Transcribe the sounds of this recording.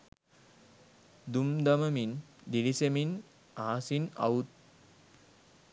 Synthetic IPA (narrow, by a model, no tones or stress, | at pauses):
d̪umd̪əməmin | d̪ilisemin | aɦasiːna̰ut̪̚